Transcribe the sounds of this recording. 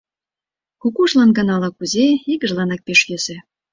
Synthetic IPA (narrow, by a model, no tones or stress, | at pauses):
kukuʃlɑnɡɤnɑlɑkuzeiɣə̆ʒlɑnɑk̚peʃjesĕ